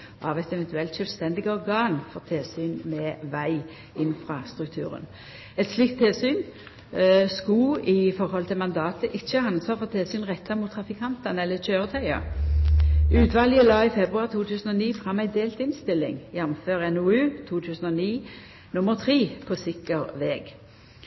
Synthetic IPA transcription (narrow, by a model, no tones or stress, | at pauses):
ɑʋɛt̪ɛʋɛnt̪ʉɛlt̪ʃœlst̪ɛnd̪ɪɡəɔʁɡɑːnfɔʁt̪ʰeːsyːnmɛːʋæɪ | ɪnfʁɑst̪ʁʉk̚t̪ʰʉ̰ːʁə̰n | ɛt̪sliːk̚t̪ʰːeːsyːn | skʊɪfɔɾhɔlt̪ʰɪlmɑnd̪ɑːt̪əʔɪçːəɑnsɑːfɔt̪ʰeːsyːnʁɛt̪ʰːɑmʊt̪ʰːɾɑfɪkʰɑnt̪ɑnɛlːəc͡çøːʁət̪ʰœʏɑ̰ | ʉːt̪ʰʋɑːlɪəlɑːɪfɛbʁʉɑʁt̪ʰuːt̪ʰʉːsənɔniːfʁɑmːæɪd̪eːlt̪ɪnst̪ɪlːɪ̰ŋjɛnmføːʁɛnʊʉːt̪ʰuːt̪ʰʉːsən̩ɔniː | nʊməʁt̪ʰʁiːpʰosɪkːəʁʋɛːɡ